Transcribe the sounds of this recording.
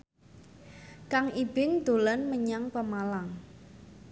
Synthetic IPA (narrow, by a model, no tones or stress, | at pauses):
kaŋib̥ɪŋd̪̥o̤lanməɲaŋpəmalaŋ